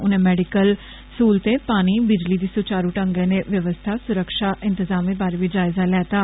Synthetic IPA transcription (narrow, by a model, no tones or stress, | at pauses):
ʊnẽːmɛːɖɪkəl | suːlt̪eːpaːniːbɪd͡ʒliːd̪iːsʊt͡ʃaːɾuːʈəŋɡẽːneːʋjəʋəst̪ʰaːsʊɾəkʃaːʔɪ̃nt̪ɪzaːmẽːbaːɾeːʋiːd͡ʒaːɪzaːlɛːt̪aː